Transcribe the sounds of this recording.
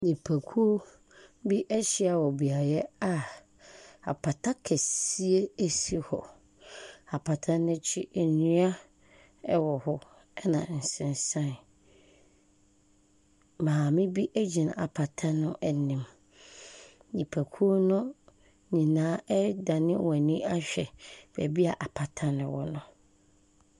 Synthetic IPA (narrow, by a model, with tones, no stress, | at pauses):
nĩ˨pʰæ˨kʰu˦o˦ | bi˦ʔɛ˦ɕi˦a˨wɔ˨bi˨a˨jɛ˦a˦ | a̰˨pʰa˨tʰa˦kʰɛ˨si˦e˦æ˦si˦hɔ̰˨ | a˨pʰa˨tʰã˦nʊ̃˦t͡ɕʰɪ˦ɛ˨nĩ˦a˦ | ɛ˦wɔ˨hɔ˦ | ɛ˦nã̰˨n̩˨sɪ̃˨n˨sã˦˨n˨ | mãː˨mɪ̃˦bi˦ʔæ˦d͡ʑi˨n˨a̰˨pʰa˨tʰã˦nʊ̃˦ʔɛ˨nĩ˨m | nĩ˨pʰæ˨kʰu˦o˦nʊ̃˦ | ɲĩ˨nãː˦ʔɛ˦dã˨nɪ̃˦wɔ̃˨nĩ˦a˦ɕᶣɛ˨b̥ɛ̰˨bi˦a˨ʔa˨pʰa˨tʰa˦nɪ̃˨wɔ̰˦nʊ̃˨